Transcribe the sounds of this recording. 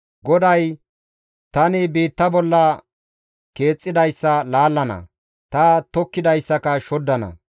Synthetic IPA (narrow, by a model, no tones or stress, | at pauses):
ɡɔd̪ɐj | t̪ɐnɪbiːt̪ːɐbɔlːɐ | ke̞ːt͡sʼːɪd̪ɐjsːɐlaːlːɐnɐ̰ | t̪ɐt̪ɔkːɪd̪ɐjsːɐkɐʃɔd̪ːɐnɐ̰